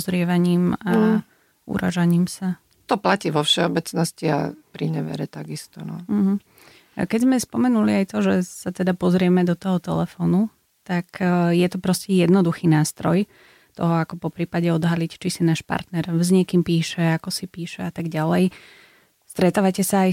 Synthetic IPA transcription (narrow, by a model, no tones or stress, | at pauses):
ɔzɾɪɛʋaɲiːma | ṵɾa̰ʒaɲiːmsa | t̪ɔplaciːʋɔfʃɛɔbɛt͡snɔscia̰pɾiɲɛʋɛ̰ɾɛ̰t̪aɡist̪ɔnɔ̰m̩ɦm̩ | kɛɟzmɛspɔmɛnuliajt̪ɔʒɛsat̪ɛd̪apɔzɾɪɛmɛd̪ɔt̪ɔɦɔt̪ɛ̰lɛfɔːnu | t̪akjɛt̪ɔpɾɔscɛjɛd̪nɔd̪uxiːnaːst̪ɾɔj | t̪ɔ̰ɦɔakɔpɔpɾiːpaɟɛɔd̪ɦalict͡ʃisinaːʃpa̰ɾt̪nɛɾzɲɛkiːmpiːʃɛakɔsipiːʃɛat̪aɡɟalɛj | st̪ɾɛt̪aːʋacɛsaːj